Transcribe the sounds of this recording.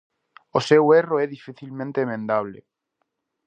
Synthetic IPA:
oseweroɛðifiθilmẽnt̪eːmẽnd̪aβ̞lḛ

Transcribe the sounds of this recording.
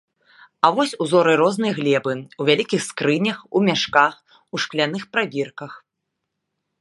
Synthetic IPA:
avɔsʲuzɔɾɨɾɔznɨjɐɣlʲɛbɨuvʲalʲikʲixskɾɨnʲɐxumʲaʂkax | uʂklʲanɨxpɾabʲirkɐx

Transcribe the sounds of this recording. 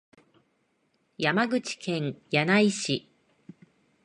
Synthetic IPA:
jamaɡɯ̟t͡ɕi̥kʰẽ̞ŋjanaiɕi

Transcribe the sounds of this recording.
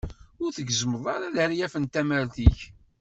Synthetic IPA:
ʊɾθəɡzəməðˤɑɾaðəɾjæfənt̪æməɾθiç

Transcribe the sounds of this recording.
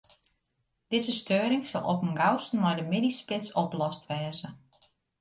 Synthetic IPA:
d̥ɪzəstøːɾɪŋsɔ̰lˠʔɔ̰pənɡawsn̩mɔjdəmɪdispɪsɔplɔstʋɛːzə

